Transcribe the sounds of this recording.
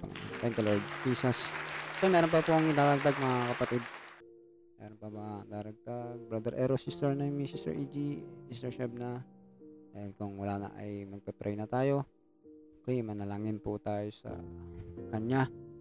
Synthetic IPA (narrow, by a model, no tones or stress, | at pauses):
pɐ̰ŋɐ̰n̰t̪ɛnt̪ɐloɹd̪̚piːsasɛomɛːɾonpɐpuʔaŋɪd̪aːɾɐɡ̚d̪aɡ̚mɐŋakɐpɐt̪id̪̚ | mɛ̰ːɾonpɐmɐŋad̪aːɾɐɡ̚t̪aɡ̚bɾad̪ɛɾʔɛɾosist̪ɛɹnamisist̪ɛ̰ʔiːd͡ʒ̪iist̪ɛɹʃɛb̚na | ɛnkʊŋwɐlaːnɐ̰ʔɐ̰jmɐɡ̚pɛpɾʔɛjnɐt̪aːjo̞ | kɐjmɐnɐlaːŋɪnpʊt̪aːjosɐ̰kɐɲa